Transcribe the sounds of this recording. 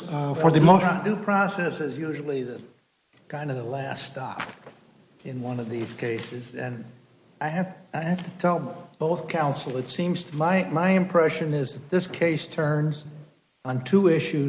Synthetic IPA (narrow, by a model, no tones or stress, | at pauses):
fə˞ðɨmodʉpʰɹ̥ɑsɛsɨzjʉʒl̩ˠiðɨ | kʰãɪ̃ndʌvðəlæsttɑ̰p̚ | ɨ̃nwʌ̃nʌvðiz̥kʰeɪsɨzɨ̃n | aɪæfaɪhæftɨtʰɛlˠb̥oʊθkʰãʊ̃nsl̩ˠɨtsĩmz̥tʰəmaɪmaɪɨ̃mpʰɹ̥ɛʃɨ̃nɪzðɨt̪̚ðɪskʰeɪstʰɜ̃˞nz | n̩tʰuɪʃʉ